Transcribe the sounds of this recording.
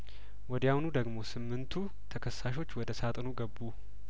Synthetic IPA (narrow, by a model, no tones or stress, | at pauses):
wɔd̪jahunud̪əɡmo̞sɨmːɨnt̪ʰu | t̪ʰəkʰəsːaʃ̬o̞t͡ʃːwɔd̪əsat̪ʼnuɡəbːu